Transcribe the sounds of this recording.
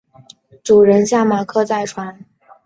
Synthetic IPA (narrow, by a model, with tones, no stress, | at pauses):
ʈ͡ʂu˨˩ɻə˧˥nɕja˥˩ma˨˩kʰɤ˥˧t͡sa˥˩ɪʈ͡ʂʰwa˧˥n